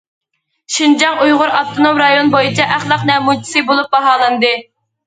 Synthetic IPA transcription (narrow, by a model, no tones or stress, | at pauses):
ʃind͡ʒɑŋujʁʊɾɑft̪ʰonomɾɑjonbojit͡ʃʰɑʔæχlˠɑqnɛmut͡ʃʰi̥sɨbolˠup̚bɑɦɑːlˠɨnd̪ɨ